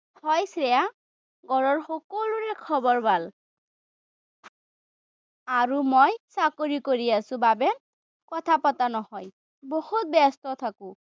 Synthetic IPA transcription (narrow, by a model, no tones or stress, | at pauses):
hɔjsɹɛja | ɡʱɔɹɔɹxɔkɔluɹɛkʰɔbɔɹbal | aɹumɔjsakoɹikoɹiasʊ̃babɛ | kɔtʰapatanɔhɔj | bohut̚bɛstɔt̪ʰakʊ̃